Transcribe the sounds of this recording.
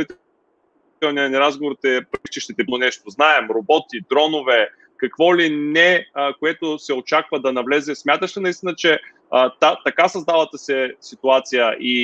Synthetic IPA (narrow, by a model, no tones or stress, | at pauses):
ɛt̪ | ɔniɐnɛɾazɡovoɾit̪ɛpɾikt͡ʃiʃt̪ɛt̪ɛp̪onɛʃt̪oznaɛmɾobɔt̪id̪ɾɔnovɛ | kɐkvɔlinɛkoɛt̪osɛot͡ʃakvəd̪ɐnɐvlɛzɛsmʲjat̪əʃt̪ɛnɐist̪inət͡ʃɛ | t̪at̪ɐkasɐzd̪avət̪əsɛsit̪uat̪sijəʔi